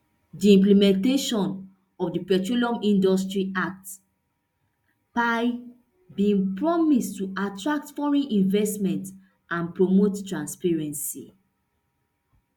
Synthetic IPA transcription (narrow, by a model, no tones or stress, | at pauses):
diĩmplimɛ̃nteʃɔ̃n | ɔfdipɛtɹulɔ̃mĩndɔstɹiak̚t | paj | bĩŋpɹɔmistːuatɹak̚tfɔɹɛ̃nʔĩnvɛstmɛ̃nt | ãnpɹomottɹãnspɛɹɛ̃nsḭ